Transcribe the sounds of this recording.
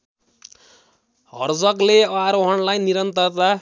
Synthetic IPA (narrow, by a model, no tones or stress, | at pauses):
ɦʌrd͡zʌkleʌaɾoɦʌnlajniɾʌnt̪ʌrt̪a